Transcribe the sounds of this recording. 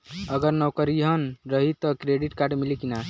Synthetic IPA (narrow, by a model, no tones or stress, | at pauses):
əɡəɾnɔwkəɾiɦənɾəɦit̪ɔkɾeɖiʈkaɾɖmilikina